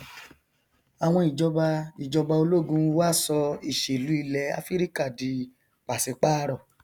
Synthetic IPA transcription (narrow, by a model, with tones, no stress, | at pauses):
a˨w̃ɔ̃˧i˨d͡ʒɔ˧ba˧i˨d͡ʒɔ˧ba˧o˧lo˦˨ɡũ˧˦˧wa˦˨sɔ˧i˨ʃe˨lu˨˦i˧lɛ˨˧a̰˧˦fi˦ɾi˦ka˦˨di˨˦ | k͡pa˨se˨˧k͡pa˦˧ɾɔ˦˨